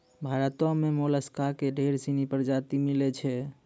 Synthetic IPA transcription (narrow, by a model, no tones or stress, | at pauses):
bʱaɾət̪ɔ̃memoləskakeɖʱeɾsinipəɾd͡ʒat̪imilɛt͡ʃʰɛ